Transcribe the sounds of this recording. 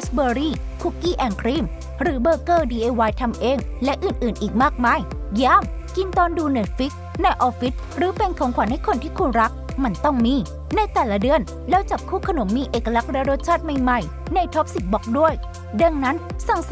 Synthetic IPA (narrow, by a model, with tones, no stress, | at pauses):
sbɤː˧ɾiː˥˩ | kʰu˧˩kiː˥˩ʔɛː˧˩nkʰɾiː˥˩m | ɾɯː˩˦bɤː˧kɤː˥˩diː˧ʔeː˧waː˧jt̪ʰa˧mʔeː˧ŋlɛ˦˥ʔɯː˨˩nʔɯː˨˩nʔiː˨˩k̚maː˥˩k̚maː˧˩jjaː˥˩mki˧nt̪ɔː˧nduː˧ne˨˩t̪̚fi˦˥k̚ | na˧jʔɔː˧fi˦˥t̪̚ɾɯː˩˦pe˧nkʰɔ˨˩˦ŋkʰwaː˨˩˦nha˥˩jkʰo˧nt̪ʰiː˥˩kʰu˧nɾa˦˥k̚ | ma˧nt̪ɔ˥˩ŋmiː˧˩ | na˧jt̪ɛː˨˩la˧˥dɯ˧ən | lɛː˦˥wt͡ɕa˨˩p̚kʰuː˥˩kʰa˧no˩˦mːiː˧ʔeː˨˩kːa˧la˦˥k̚ɾɛ˦˥ɾo˦˥t̪̚t͡ɕʰaː˥˩t̪̚ma˧jma˨˩j | na˧jt̪ʰɔ˦˥p̚si˨˩t̪̚bɔ˦˥k̚du˥˩əj | da˧ŋna˦˥nsa˨˩ŋ